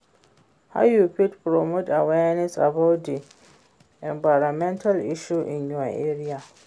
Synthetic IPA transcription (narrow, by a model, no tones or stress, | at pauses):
ha̰jupitpɾɔmotawɛnɛsa̰bawt̚di | ʔɛmbajɾamɛ̃ntʰalʔɪʃuʔɪ̰̃njua̰ʔɛɾija